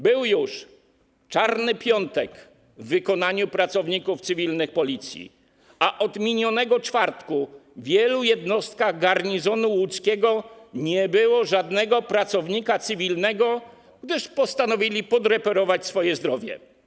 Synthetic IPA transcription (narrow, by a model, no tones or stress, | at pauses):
bɘwjuʂ | t͡ʂaɾnɘpʲjɔnt̪ɛk | vːɘkɔnaɲupɾat̪sɔvɲikuft̪sɘvʲilnɘxpɔlʲit̪sʲjḭ | aʔɔd̪mʲiɲɔnɛɡɔt͡ʂfaɾt̪kuvʲjɛlujɛd̪nɔst̪̚kaɣɡaɾɲizɔnuwut̪skʲɛɡɔɲɛbɘwɔʐad̪nɛɡɔpɾat̪sɔvɲikat̪sɘvʲilnɛɡɔ | ɡd̪ɘʂpɔst̪anɔvʲilʲipɔd̪ɾɛpɛɾɔvat͡ɕsfɔjɛzd̪ɾɔvʲjɛ̰